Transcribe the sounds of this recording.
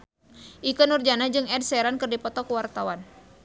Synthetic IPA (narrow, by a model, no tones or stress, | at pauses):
ʔikənurd͡ʒanad͡ʒɨŋɛd̚sɛɾankɨrdipɔt̪ɔkuwart̪awan